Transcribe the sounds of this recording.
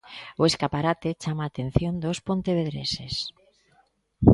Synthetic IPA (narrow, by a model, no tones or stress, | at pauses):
oeskapaɾat̪et͡ʃamaːt̪ẽn̟θjond̪ospont̪eβ̞eðɾesḛs